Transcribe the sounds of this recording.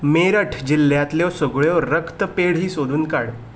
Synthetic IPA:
meɾəʈʰd͡ʑilːjat̪ljɔsəɡɭjɔɾəkt̪əpeɽɦiːsod̪ʱuːnkaɽ

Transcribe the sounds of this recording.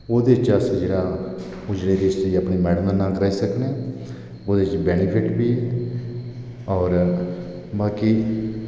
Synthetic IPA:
oːd̪eːɪt͡ʃəsd͡ʒeːɽaː | ʊd͡ʒɽeːɾɪʃiəpɳiːmɛːɽəmd̪aːnãːkəɾaːisəknẽː | oːd̪eːɪt͡ʃbɛːnɪpʰɪʈbiː | ɔːɾ | baːkiː

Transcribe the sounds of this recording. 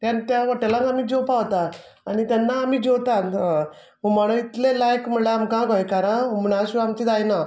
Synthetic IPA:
t̪jant̪jaʋaʈelãŋkamiːd͡ʑopaʋt̪a | anit̪janːaːmiːd͡ʑot̪at̪ | ɦomaɽ̃õit̪lelajkməɳɭeamkãkojkaɾəumɳaɕuamt̪id̪ajna

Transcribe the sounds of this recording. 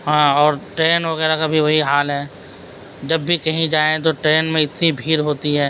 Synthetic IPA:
ɦãːɔːɾʈɾeːnʋɐɣɛːɾakabʱiʋɐɦiɦaːlɦɛː | d͡ʒɐbːikɐɦĩd͡ʒaːẽt̪̬oʈɾeːnmẽɪt̪nibʱiːɾɦoːt̪iɦɛː

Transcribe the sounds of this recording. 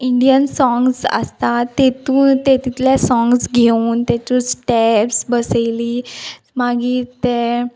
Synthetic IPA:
iɳɖijənsɔ̃ŋɡsə̰st̪at̪et̪ũːt̪et̪it̪ljasɔ̃ŋɡsɡʱeuːnt̪ɛt͡ɕũsʈɛpsbəsejliː | maɡiːt̪e

